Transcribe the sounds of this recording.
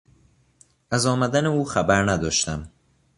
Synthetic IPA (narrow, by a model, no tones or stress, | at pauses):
æzɒːmæd̪æneuːxæbæɾnæd̪ɒːʃt̪æm